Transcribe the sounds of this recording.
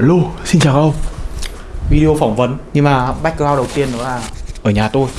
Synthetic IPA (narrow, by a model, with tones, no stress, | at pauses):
lo˧si˧nt͡ɕaː˨˩wka˧˦ə˧wŋ͡m | vi˧ɗi˧o˧fɔ˧˩wŋ͡mvə˨˦nɲɨ˧ŋmaː˨˩ɓa˦˥k̟̚aː˧wɗə˨˩wt̪i˧ənːɗɔ˨˦laː˨˩ʔəː˧˩ɲaː˨˩t̪o˧j